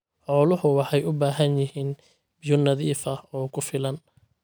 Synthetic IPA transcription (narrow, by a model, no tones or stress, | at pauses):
ħɔːlʊhʊwɑħɑjʊbaːɦɐnjɪɦiːn | bɪjɔnɑðiːfɐhɔːkʰʊfɪlɐn